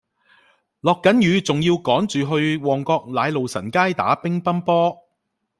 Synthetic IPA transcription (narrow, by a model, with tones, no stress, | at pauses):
lɔː˨kːɐ˨˥njyː˨˧t͡sʊ˨ŋjiː˧wkɔː˨˥ŋt͡ʃyː˨ɦɵ˧ɥwɔː˨˩ŋkɔː˧k̚laː˨˧jlo˨wsɐ˨˩nkaː˥jt̪a̰ː˨˥pɪ˥ŋpɐ˥npɔː˥